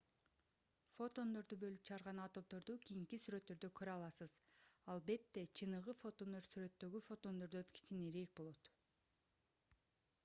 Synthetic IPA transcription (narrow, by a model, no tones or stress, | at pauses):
fo̞t̪o̞nd̪o̞ɾd̪ubø̞lyp̚t͡ʃʰɯʁɑɾʁɑnɑt̪o̞p̚t̪o̞ɾd̪ukijiŋkisyɾø̞t̪ːø̞ɾd̪økʰøɾøɑlˠɑsɯzɑlˠbe̞t̪ːe̞t͡ʃʰɯnɯʁɯfo̞t̪ond̪o̞ɾsyɾø̞t̪ːø̞ɡyfo̞t̪o̞nd̪o̞ɾd̪uøt̪kʲe̥t̪ineɾek̚bo̞lˠo̞t̪